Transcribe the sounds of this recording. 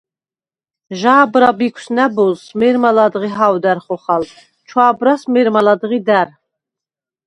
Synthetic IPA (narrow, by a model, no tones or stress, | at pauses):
ʒaːbɾabikʷʰsnæbɔlsmɛɾmalad̪ʁiɦawd̪æɾχɔχal | t͡ʃʰwaːbɾasmɛɾmalad̪ʁid̪æɾ